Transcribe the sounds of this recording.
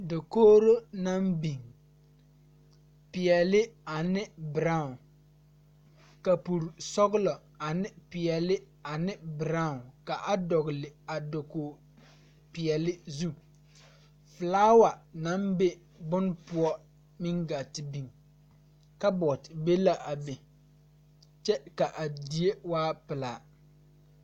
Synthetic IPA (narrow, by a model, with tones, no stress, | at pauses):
do˨koː˦ɾo˦na˦mbi˨ŋ | pɪ˨ɛ˨lɪ˦a˨nɪ˦bɪ˨ɾa˦˨ʊ˨n | ka˨pu˨ɾsɔ˦ɡʊ˦lɔ˨ | a˨nɪ˦pɪ˨ɛ˨lɪ˦ | a˨nɪ˦bɪ˨ɾa˦ʊ˨nka˨ʔa˦dɔ˨ɣlɪ˨a˨do˨koː˨ | pɪ˨ɛ˨lɪ˦zu˦ | fɨ˨laː˦wa˨na˦mbe˦ | bʊ˦npʊ˦ɔ˦ | mɪ˦ŋɡa˨tɪ˨bi˨ŋ | ka˦bɔ˨tɪ˨be˦la˦˨ʔa˨be˨ | t͡ʃɛ˦ka˨ʔa˨di˨e˦waː˦pɪ˨laː˨